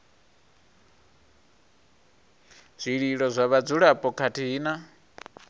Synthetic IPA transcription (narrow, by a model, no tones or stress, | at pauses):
z̥ʷiɺiɺɔzʷaβad͡zuɺapʼɔkʰatʰiːna